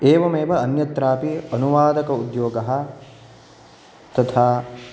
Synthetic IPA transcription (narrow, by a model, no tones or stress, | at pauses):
eːʋɐmeːʋɐɐnjɐt̪ɾaːpiɐnuʋaːd̪ɐkɐud̪joːɡɐɦɐ̆ | t̪ɐt̪ʰaː